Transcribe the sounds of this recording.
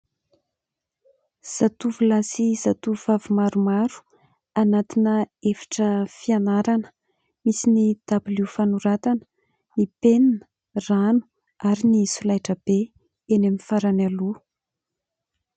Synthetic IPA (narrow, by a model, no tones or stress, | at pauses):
z̥at̪uvulasizat̪uvavumaɾumaɾu̥ | anat̪inəefi̥ʈ͡ʂəfianaɾanə̥ | misinid̪̥abilufanuɾat̪anə̥ | nipeninə̥ | ranu̥ | aɾinisulajʈ͡ʂəb̥e | eneminfaɾanalu